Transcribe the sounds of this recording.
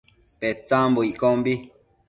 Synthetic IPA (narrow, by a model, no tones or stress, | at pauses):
pɛt͡sãmboiʔkɔmbi